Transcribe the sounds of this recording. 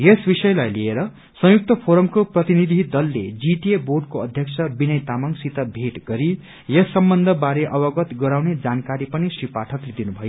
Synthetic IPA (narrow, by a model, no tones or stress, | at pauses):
jesbisʌjlajlieɾʌ | sʌ̃juk̚t̪ʌpʰoɾʌmkoprʌt̪inid̪ʱid̪ʌlːḛd͡ziʈieborɖkoʌd̪ʱjʌk̚t͡sʰʌbinʌjt̪amʌŋsit̪ʌbʱeʈɡʌɾi | jʌsːʌmbʌnd̪ʱʌbaɾeʔʌbʌɡʌt̪ɡʌɾawned͡zankaɾipʌnisripaʈʰʌkled̪inubʱʌjo